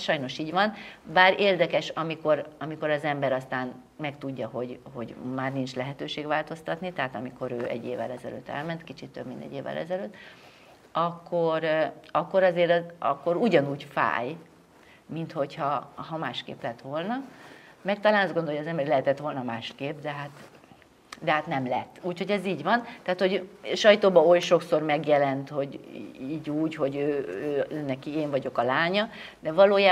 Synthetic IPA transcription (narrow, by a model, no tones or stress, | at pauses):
ʃɒjno̞ʃiːɟvɒnbaːɾeːrd̪ɛkɛʃɒmiko̞ɾɒmiko̞ɾɒzɛmbɛɾɒst̪aːn | mɛkt̪uɟːɒɦo̞ɟho̞ɟmaːrnint͡ʃlɛɦɛt̪øːʃeːɡʋaːlt̪o̞st̪ɒt̪nit̪ɛɦaːt̪ɒmiko̞ɾøːʔɛ̰ɟːeːvɛ̰lɛzɛlø̰ːt̪ːɛ̰lmɛnt̪kit͡ʃit̪ːøbminɛ̰ɟːeːvːɛ̰lɛ̰zɛløːt̪ː | ɒkːoɾɒkːo̞ɾɒzeːɾɒ̰kːo̞ɾuɟɒnuːɟfa̰ːj | mint̪ho̞chɒɦɒmaːʃkḛːplɛt̪ʋo̞lnɒmɛk̚t̪ɒlaːnɒzɡond̪oojɒzɛmbɛɾlɛɦɛt̪ɛt̪ʋo̞lnɒmaːʃkeːp̚d̪ɛɦaːt̪ | d̪ɛɦaːt̪nɛmlɛt̪ːuːcho̞ɟɛziːɟʋɒnt̪aːt̪ho̞ɟʃɒjt̪oːbɒojʃo̞kso̞rmɛɡjɛlɛnt̪ho̞ɟiːɟuːɟho̞ɟøːøːønːɛkieːɱvɒɟo̞kɒlaːɲɒ | d̪ɛvɒloːjaː